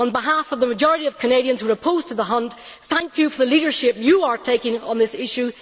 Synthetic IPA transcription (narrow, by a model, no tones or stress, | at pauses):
ə̃nbɪɦafʌvðəməd͡ʒɔɹəɾiʌv̥kʰəneɾiə̃nzwəɹəpʰoz̥tʰəðəɦʌ̃ntθæ̃ŋkjɨfə˞ðəlˠiɾə˞ʃɪp̚jəə˞tʰeɪkɪ̃ŋə̰̃nðɪsɪʃʉ